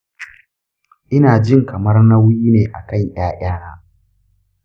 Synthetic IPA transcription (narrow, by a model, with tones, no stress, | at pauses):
ʔɪ˦naː˨d͡ʒɪ˦ŋkɐ˨mɐ˦rna˦wʊ˦jiː˦neː˨ʔa˨kɐ˦˨ɲj̰aː˦j̰aː˦na˦